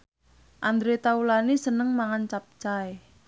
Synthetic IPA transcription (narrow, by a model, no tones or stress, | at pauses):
ʔand̪ɾet̪aulanisənəŋmaŋant͡ʃap̚t͡ʃae